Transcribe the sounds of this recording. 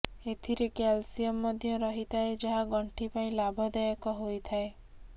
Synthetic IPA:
et̪ʰiɾekalsijɔmːɔd̪ʱjɔɾɔɦit̪ʰaed͡ʒaɦaɡɔɳʈʰipaĩlabʱɔd̪ajɔkɔɦojt̪ʰae

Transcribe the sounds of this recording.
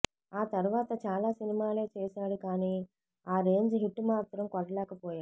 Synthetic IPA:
aːt̪ɐɾuʋaːt̪ɐt͡ʃaːlaːsinimaːle̞ːt͡ʃɛːsaːɽukaːniː | aːɾe̞ːɲd͡ʒɦiʈːmaːt̪ɾɐmkɔɽɐlɛːkɐpɔːjaːɽu

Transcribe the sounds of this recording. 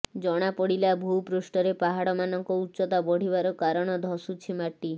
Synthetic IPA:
d͡ʒɔɽ̃apɔɽilabʱuwpɾusʈɔɾepaɦaɽɔmanɔŋkɔutːʃɔt̪abɔɽ̤ibaɾɔkaɾɔɽ̃ɔd̪ʱɔsut͡ʃʰimaʈːi

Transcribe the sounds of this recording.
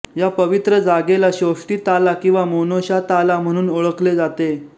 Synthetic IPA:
japəʋit̪ɾəd͡zaɡelaɕoʂʈiːt̪alakĩw̃ʋamonoɕat̪alam̤əɽ̃uːnoɭəkled͡zat̪e

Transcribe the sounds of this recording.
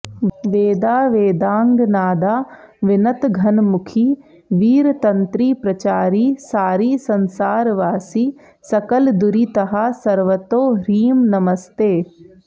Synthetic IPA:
ʋeːd̪aːʋeːd̪aːŋɡnaːd̪aːʋɪnɐt̪ɡʱɐnmʊkʰiː | ʋiːɾt̪ɐnt̪ɾiːpɾɐt͡ʃaːɾiːsaːɾiːsɐnsaːɾʋaːsiː | sɐkəld̪ʊɾiːt̪ɐɦasɐɾʋət̪oːɾiːmnɐməst̪eː

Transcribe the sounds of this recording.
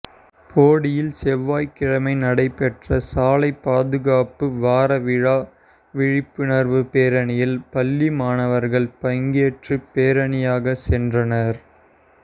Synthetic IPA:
pʰoːɽɪjɪlsɛʋːaːjkɪɻɐmɐɪnɐɽɐɪpɛʈrɐsaːlɐɪpːaːðɯɣaːpɯʋaːɾɐʋɪɻaː | ʋɪɻɪpːɯnɐɾʋɯpeːɾɐɳɪjɪlpɐlːimaːnɐʋɐɾɣɐɭpɐŋɡeːʈrɯpeːɾɐɳɪjaːɣɐsɛndrɐnɐɾ

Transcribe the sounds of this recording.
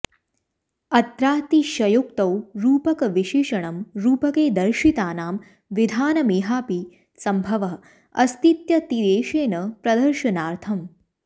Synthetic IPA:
ɐt̪ɾaːt̪iʃɐjuk̚t̪ɐwɾuːpɐkɐʋiʃiːʃɐɳɐmɾuːpɐkeːd̪ɐɾʃit̪aːnaːm | ʋid̪ʱaːnɐmiːɦaːpi | sɐmbʱɐʋɐ | ɐ̰st̪it̪jɐt̪ideːʃeːnɐpɾɐd̪ɐɾʃɐnaːɾt̪ʰɐm

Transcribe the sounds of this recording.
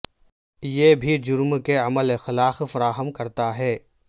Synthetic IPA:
jebʱid͡ʒʊɾmkeɐməlexɪlaːxfɐɾaːɦəmkɐɾt̪aɦɛː

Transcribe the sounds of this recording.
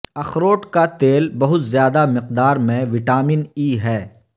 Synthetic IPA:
ɐxɾoːʈkat̪eːlbɐɦʊt̪zjaːd̪amɪqd̪aːɾmẽʋɪʈaːmɪniːɦɛː

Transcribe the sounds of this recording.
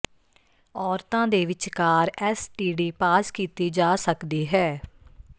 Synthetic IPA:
ɔːɾt̪ãːd̪eːʋɪt͡ʃkaːɾɛːsʈiːɖiːpaːskiːt̪iːd͡ʒaːsəkd̪iːɦɛː

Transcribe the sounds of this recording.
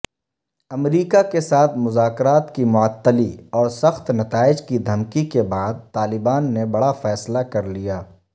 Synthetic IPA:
ɐmɾiːkakesaːt̪ʰmʊzaːkɾaːt̪kimʊət̪ːəliɔːɾsɐxt̪nɐt̪aːɪd͡ʒkid̪ʱɐmkikebaːd̪̚t̪aːlɪbaːnːebɐɽafɛːslakɐɾlijaː

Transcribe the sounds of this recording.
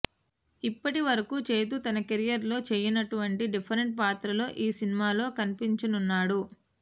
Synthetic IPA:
ipːɐʈiʋɐɾɐkuːt͡ʃe̞ːt̪̬ut̪ɐnɐkeɾijɐɾlo̞ːt͡ʃeːjɐnɐʈuʋɐɳʈiɖipʰɐɾeɳʈ̚paːt̪ɾɐlo̞ːʔiːsinimaːlo̞ːkɐnipiɲt͡ʃɐnunːaːɽu

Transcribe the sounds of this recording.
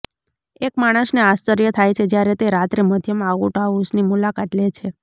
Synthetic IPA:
ekmaɽ̃əsneast͡ʃəɾjət̪ʰajt͡ʃʰed͡ʒjaɾet̪eɾat̪ɾeməd̪ʱjəmaaʋuʈaʋusnimulakat̪let͡ʃʰe

